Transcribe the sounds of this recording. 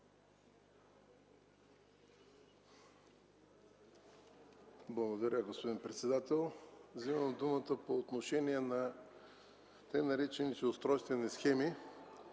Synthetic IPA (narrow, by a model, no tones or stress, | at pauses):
blˠɐɡod̪ɐɾʲəɡospod̪inpɾɛt̪sɛd̪at̪ɛlˠvzimɐmd̪umət̪əpoːt̪noʃɛniɛnɐ | t̪ɛjnɐɾɛt͡ʃɛnisɛʊst̪ɾɔjst̪vɛnisxɛmi